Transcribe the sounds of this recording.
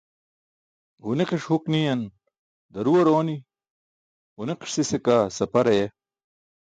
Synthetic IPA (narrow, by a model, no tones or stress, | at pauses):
huneqeʂhuknijɐn | d̪ɐɾuwɐɾoːni | ɦuneqʂsisekaːsɐpɐɾɐje